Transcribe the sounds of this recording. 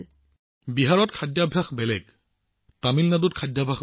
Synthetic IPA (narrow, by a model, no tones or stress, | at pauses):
biɦaɹɔtkʰadjabʱaxbɛlɛ̰ɡ | tamilnadutkʰadjabʱax